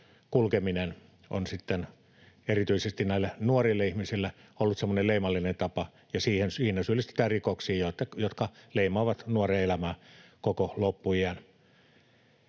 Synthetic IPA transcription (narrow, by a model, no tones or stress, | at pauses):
kulkeminen | ʔo̰nsit̪ːen | erit̪yisest̪innæˑilːænuorilːɑihmisilːæ | olːut̪semːonelleˑimɑlːinent̪ɑpɑ | jɑsiːhensiːnæsyølːˑist̪e̥t̪æːrikoksiːjoet̪ːæjot̪kɑleˑimɑːʋɑt̪nuoreelæmæːkokolopːuiæn